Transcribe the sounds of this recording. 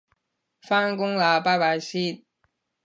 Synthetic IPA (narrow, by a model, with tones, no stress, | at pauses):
faː˥nkʊ˥ŋlaː˨˧paː˥paː˧˩jsiː˥n